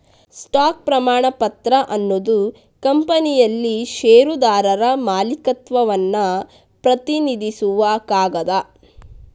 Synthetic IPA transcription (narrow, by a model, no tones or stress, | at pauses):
sʈaːk̚pɾɐmaːɳɐpɐt̪ɾɐʔɐnːod̪u | kɐmpɐnijɐlːiʃeːɾud̪aːɾɐɾɐmaːlikɐt̪ʋɐʋɐnːɐ | pɾɐt̪inid̪isuʋɐkaːɡɐd̪ɐ